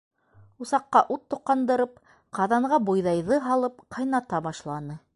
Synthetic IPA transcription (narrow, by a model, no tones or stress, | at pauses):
usɑqːɑʔut̪ːŏqːɑnd̪ɤ̆ɾɤp̚ | qɑðɑɴɢʁɑbujðɑjðɤɦɑlˠɤp̚qʰɑjnɑt̪ɑbɑʃlˠɑnɤ